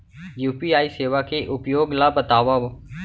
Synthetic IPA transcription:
juːpiːaːiseːʋaːkʰeːʔʊpjoːɡlaːbət̪aːʋaːʋ

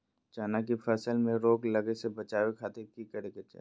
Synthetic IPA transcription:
t͡ʃaːnak̬ifʰɛːsəlmẽɾoːklɐɡesebɐt͡ʃaːwekʰaːt̪ekikɐɾeket͡ʃa̰

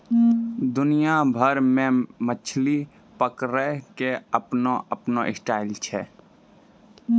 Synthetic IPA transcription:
d̪ʊnijabʱəɾmẽmət͡ʃʰli | pəkɾɛkeəpnoəpnoʔɪsʈaːɪlt͡ʃʰɛ

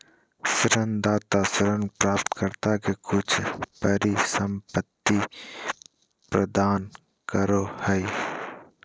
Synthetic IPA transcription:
sɪɾənd̪aːt̪asɪɾənpɾaːpt̪kəɾt̪akekʊt͡ʃʰpəɾisə̃mpət̪ːi | pɾəd̪aːn | kəɾohəi

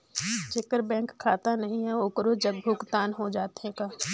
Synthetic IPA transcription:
t͡ʃekəɾbɛ̃ːŋkʰːaːt̪anɐɦĩɦɛoːkɾod͡ʒɐbbʊɡt̪aːnɦod͡ʒaːt̪ɦẽkaː

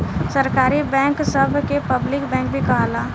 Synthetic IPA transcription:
səɾkaːɾibɛ̃ːŋksɐbʱkepɐblɪkbɛ̃ːŋk̚bʱikɐɦalaː

